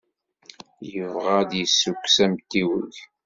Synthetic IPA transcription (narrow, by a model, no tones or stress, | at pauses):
jəvʁad̪jəsːukːsæmt̪ːiwə̰ʝ